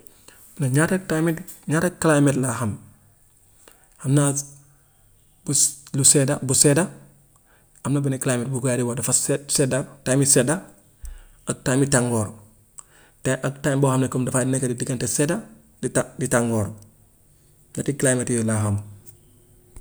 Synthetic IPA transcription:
naɲatatamiɲatakalajmetlaɦam | hamna | bulusedabuseda | hamnabineklaːjmet̚buɡjaɾiwadafassedatamiseda | ak̚tamitaŋɡɔːɾ | taʔaktambohamnekumdafadinekadidiɡanteseda | ditaŋɡɔːɾ | ɲatiklajmetjɔlaham

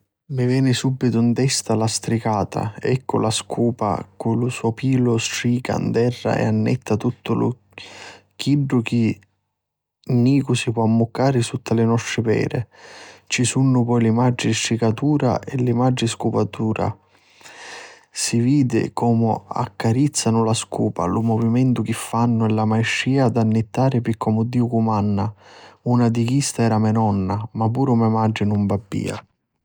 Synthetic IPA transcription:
mɪvɛːnɪsubːit̪ʊnt̪ɛst̪alast̪ɾikaːt̪ʰa̰ɛkːʊlaskʰuːpa̰kʊlʊsuɔpiːlʊstɾiːka̰nd̪ɛrːa̰ɛ̰anːɛ̰t̪ːat̪ut̪ːʊlʊ̰ | k̟iɖːʊk̟i | nːiːkʊsipwɔamːʊkːaːɾɪsut̪ːalɪnɔst̪ɾɪpɛ̰ːɾɪt͡ʃisunːʊpɔjlɪmad͡ʒːinʃikat̪uːɾa̰ʔɛlːɪmad͡ʒːɪskupat̪uːɾa̰ | siviːd̪ɪ̰kʰɔːmʊ̰a̰kːaɾit̪sːanʊlaskuːpa̰lumɔvimɛnt̪ʊk̟ɪfːanːʊɛlːamajʃːiːad̪anːɪt̪ːaːɾɪpikʰːɔmʊd̪ːiːʊkumanːaunad̪ik̟ist̪aɛːɾamɛnɔnːamapuːɾʊmɛmad͡ʒːɪnumbabːḭːa̰

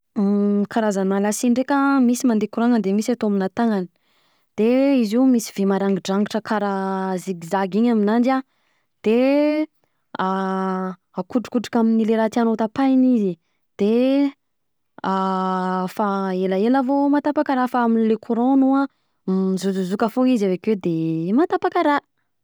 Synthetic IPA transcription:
kaɾazanmalasiɳɖ͡ʐekʲəmisimand̪ekuɾonənd̪emisat̪oaminat̪aŋani̥ | d̪̥eiziumisiv̥emaɾaŋɡiɖ͡ʐaŋɡiʈ͡ʂəkʰaɾaziɡizaɡiɲaminanɖ͡ʐa | d̪̥e | a | akuʈ͡ʂu̥kuʈ͡ʂi̥kaminileɾat̪anot̪apajnizi | d̪̥e | a | faelaelavomat̪apakaɾafaaminlekʰuɾonua | izuzuzukəfoizavekwed̪emat̪apakaɾa

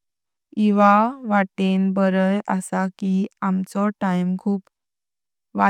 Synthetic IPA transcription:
iʋaʋaʈenbəɾəjəsakiamt͡sɔʈajmkʰuːp | ʋa

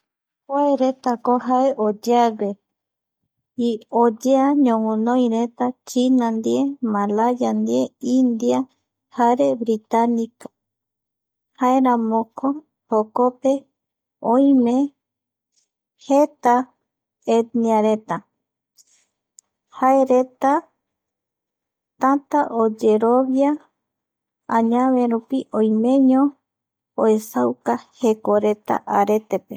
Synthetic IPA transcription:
koeɾet̪akoɦaeʔod͡ʒeaɡe | iod͡ʒeaɲõŋũnõj̃ɾet̪at͡ʃinãnd̪iemalajand̪ieind̪ia | haɾe̞βɾit̪anikḁ | haeɾãmõkʰo | hokope | õj̃mẽ | het̪a | ed̪niaɾe̞t̪a | hae̞ɾe̞t̪a | t̪at̪aʔod͡ʒe̞ɾoβja | ãɲãβeɾupiʔõjmẽ̞ɲõ | oe̞sawkahe̞ko̞ɾe̞t̪a̰ʔaɾe̞t̪e̞pe

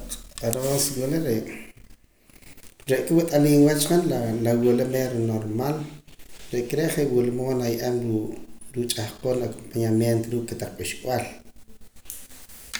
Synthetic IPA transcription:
aɾonswuleɾeʔ | ɾeʔkʼewt̪ʼaliːnwat͡ʃqanlalawulemeɾonoɾmaːlɾeʔkeɾeʔχeʔwulmoːnajʔamuɾut͡ʃʼahqoːnakompaɲamjent̪oɾuːkkːet̪aq͡χpʼaʃkʼwal

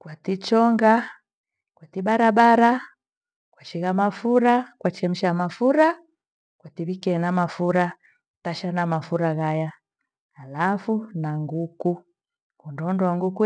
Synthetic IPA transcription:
kwatit͡ʃɔŋɡa | kwatibaɾabaɾa | kwaʃiɣamafuɾakwat͡ʃɛm̩ʃamafuɾa | kwatiβikɛnamafuɾa | taʃanamafuɾaɣajaː | lafunaŋɡuku | kundɔndɔaŋɡuku

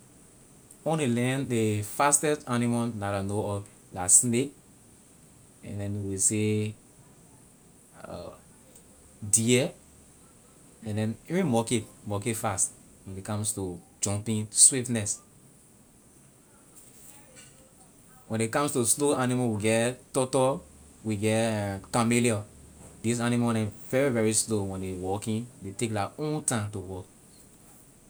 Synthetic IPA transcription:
õnelɛ̃ndefastɛstanimanaɾanoɔ | lasnek | ɛ̰̃ndɛ̃nwise | diɛ | ɛ̃ndɛ̃nɛvĩmɔketmɔketfast | wɛ̃nikɔ̃mstud͡ʒɔ̃mpĩnswiftnɛs | wɛ̃nikɔ̃mstusloanimawiɡɛttɔtɔwiɡɛtkamiliɔdis̬animanɛ̃vɛɹivɛɹislowɛ̃ndewɔkĩndetekdaʔõntãntuwɔk

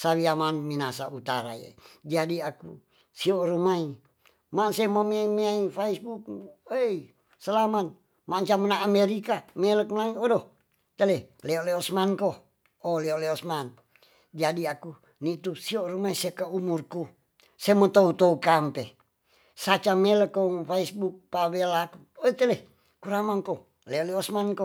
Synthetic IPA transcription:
sawiamanminasaut̪aɾa̰jḛd͡ʒadiaku | sioʔrumai | masemamiaimiaifeisbuk̚ei | səlamat̪̚ | maɲt͡ʃamənaːmeɾikamelək̚məlaiodoh | t̪əleleoʔleosmankoh | oleoleɔsman | d͡ʒadiaku | nit̪usiorumaisiakaumurku | semot̪out̪oukampe | sat͡ʃameləkːɔŋfeisbuk̚pawelaku | ot̪əle | kuɾamaŋko | leoleɔsmanko

